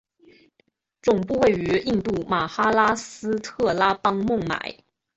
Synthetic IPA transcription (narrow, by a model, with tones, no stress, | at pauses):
ʈ͡ʂʊ˨˩ŋpu˥˧we˥˩ɪy˧˥i˥˧ŋt̪u˥˩ma˨˩xa˥la˥sɹ̩˥t̪ʰɤ˥˩la˥pɑ˥ŋmʊ˥˩ŋma̰˨˩˦ɪ